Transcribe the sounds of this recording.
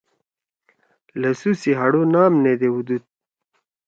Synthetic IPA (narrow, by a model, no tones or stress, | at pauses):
lɐsusiɦaɽonɑːmned̪ewud̪ud̪̚